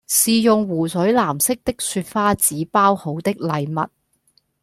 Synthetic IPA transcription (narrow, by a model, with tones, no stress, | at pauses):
siː˨jʊ˨ŋwuː˨˩sɵ˨˥ɥlaː˨˩msɪ˥k̚t̪ɪ˥k̚syː˧t̚faː˥t͡siː˨˥paː˥who˨˥wt̪ɪ˥k̚lɐ˨jmɐ̰˨t̚